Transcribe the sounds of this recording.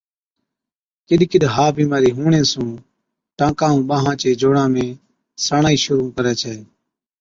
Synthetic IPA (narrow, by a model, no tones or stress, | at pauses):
kɪɗkɪɗɦaːbiːmaːɾiːɦũːɳẽːsũː | ʈãːkãːũːɓaːɦãːt͡ʃeːd͡ʒoːɽãːmẽː | saːɳaːiːʃʊɾuːkəɾɛːt͡ʃʰɛː